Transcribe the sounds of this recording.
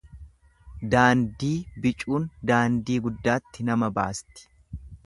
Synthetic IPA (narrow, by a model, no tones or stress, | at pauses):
d̪aːnd̪iːbɪt͡ʃʼuːnd̪aːnd̪iːɡʊd̪ːaːt̪ːɪnɐmɐba̰ːst̪ɪ̥